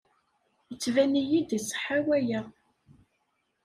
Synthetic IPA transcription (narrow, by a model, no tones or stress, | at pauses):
jət͡sːvænijid̪isˤːə̥ħawæjæ